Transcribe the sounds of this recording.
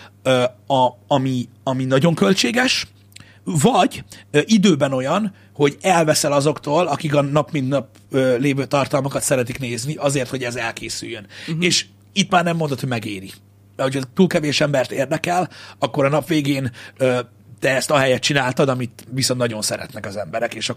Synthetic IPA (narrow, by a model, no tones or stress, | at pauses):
ɒɒmiɒminɒɟo̞ŋkø̞lt͡ʃeːɡɛʃ | vɒɟʔid̪øːbɛno̞jɒn | ho̞ɟɛlvɛsɛlɒzo̞kt̪oːlɒkikɒnɒpmint̪nɒp̚ | øːleːvøːt̪ɒrt̪ɒlmɒkɒt̪sɛɾɛt̪ikneːzniʔɒzeːrt̪ho̞ɟɛzɛlkeːsy̰jːøneːʃ | it̪maːrnɛmːond̪ot̪hoɟmɛɡeːɾi | ɛho̞cʰɒt̪uːlkɛveːʃɛmbɛrt̪eːrd̪ɛkɛlɒkːo̞ɾɒnɒpʋeːɡeːnøː | t̪ɛɛst̪ɒɦɛjɛt̪̚t͡ʃinaːlt̪ɒd̪ɒmit̪visont̪nɒɟo̞nsɛɾɛ̰t̪nɛkɒzɛmbɛɾɛkeːʃɒ